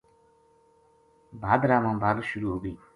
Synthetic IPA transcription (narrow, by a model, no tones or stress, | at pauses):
bʱad̪ɾamãbʱaɡsuɾuɦoɡəj